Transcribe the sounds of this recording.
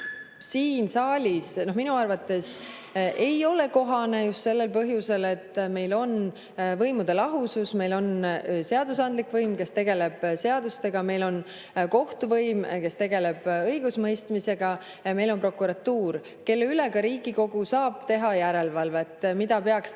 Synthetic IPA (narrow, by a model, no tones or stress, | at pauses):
siːnsɑːlʲisno̞hminuɑrvɑt̪ːe̞s | ʔe̞jo̞le̞ko̞ɦɑne̞just̪se̞lːe̞lpɤɦjuse̞le̞t̪ːme̞jlo̞n | vɤjmud̪̥e̞lɑɦususme̞jlo̞nse̞ɑd̪̥usɑnd̪likvɤjmke̞st̪e̞ɡe̞le̞b̥se̞ɑd̪̥ust̪e̞ɡ̥ɑme̞jlo̞n | ko̞ht̪uvɤjmke̞st̪e̞ɡe̞le̞b̥ɤjɡ̥usmɤjst̪mise̞ɡ̥ɑ | me̞jlo̞npro̞kːˑuɾɑt̪ːuːr | ke̞lːeyleɡɑɾiːɡiko̞ɡ̥usɑːb̥̚t̪e̞ɦɑjæɾe̞lvɑlvet̪ːmid̪̥ɑpe̞ɑks